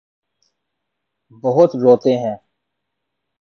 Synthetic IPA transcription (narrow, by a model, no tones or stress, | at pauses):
bəɦʊt̪ɾoːt̪ẽɦɛ̃ː